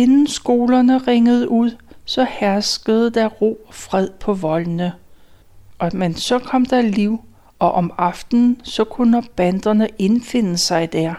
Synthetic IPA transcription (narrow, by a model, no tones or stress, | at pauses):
e̝nn̩sɡ̥o̝ːlɐnəʁeŋəð̞ˠəʔuð̰ˠsɒ̽hæɐsɡ̥əð̞̩ˠd̥æʁo̝̰ːfʁɛð̰ˠpʰɒ̽ʋɒ̽lnə | ʔɒ̽mensɒ̽kʰɒ̽m̰d̥ɑliʊ̰ | ɒ̽ʔɒmɑ̈fd̥n̩sɒ̽kʰunɐb̥ænd̥ɐnəʔe̝nfe̝n̰əsɑ̈ɪd̥æɐ̰